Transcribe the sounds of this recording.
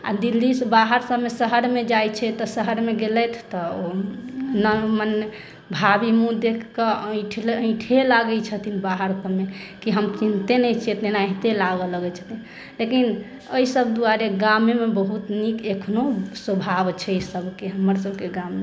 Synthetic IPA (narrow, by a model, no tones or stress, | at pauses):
a̰d̪ilːisbaɦəɾsəbmesəɦəɾmed͡ʒajt͡ʃʰɛt̪ɔsəɦəɾmeɡelɛt̪ʰt̪ɔo | nəmən | bʱabimũd̪ekʰkəə̃ʈʰlə̃ɪ̃ʈʰelaɡɛt͡ʃʰət̪ʰinbaɦəɾsəbmekiɦəmt͡ʃint̪enɛt͡ʃʰet̪nenaɦit̪elaɡələɡɛt͡ʃʰə̥t̪ʰin | lekin | əisəbd̪uaɾeɡamemebəɦut̪nikekʰnoswəbʱabt͡ʃʰɛisəbʱkeɦəməɾsəbʱkeɡamːe